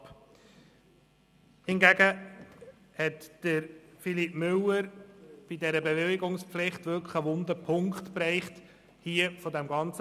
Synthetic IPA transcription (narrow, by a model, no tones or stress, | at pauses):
p | hɪnɡæɡə | hɛtd̥əɾfilipmʏlːəɾb̥idɛɾəbeʋɪlɪɡʊŋspflɪχtʋʏlkə̥χəʋʊnd̪əpʰʊŋkχtpɾɛɪχt | hiəfɔdæmɡɑnt͡s